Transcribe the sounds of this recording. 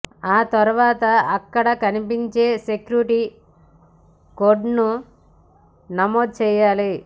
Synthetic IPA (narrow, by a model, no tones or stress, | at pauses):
aːt̪ɐɾuʋaːt̪ɐɐkːɐɽɐkɐnipiɲt͡ʃe̞ːsekjuʈi | koːɖnu | nɐmoːd̪̚t͡ʃɛːjaːli